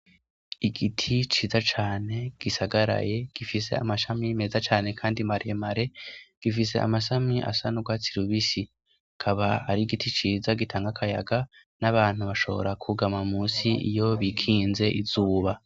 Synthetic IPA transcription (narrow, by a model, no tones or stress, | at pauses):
iɡitʰit͡ʃiːzat͡ʃaːne̞ɡ̥isaɡaɾa̰je̞ɡ̥ifis̬e̞̰a̰maʃamime̞ːzat͡ʃaːne̞kʰaːndimaɾiemaɾe̞ɡ̥ifis̬e̞̰ʔa̰maʃamiʔa̰sanuɡwaːt͡siɾuβisi | kʰaβaaɾiɡitʰit͡ʃiːzaɡitʰaːŋɡakʰaja̰ɡa | naβaːn̥huβaʃo̞βo̞̰ɾakʰuɡamamuːsiḭjo̞βikʰiːnze̞ʔizuːβa